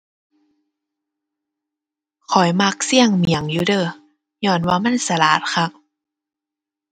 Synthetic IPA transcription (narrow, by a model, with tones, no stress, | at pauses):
kʰɔ˨˩jma˧˥k̚si˧˥˩əŋmi˨˩ə˦ŋjuː˧˦dɤː˧˩˨ | ɲɔː˧˩nwaː˧ma˧˥˨nsa˧laː˨˦t̪̚xʰa˧˥k̚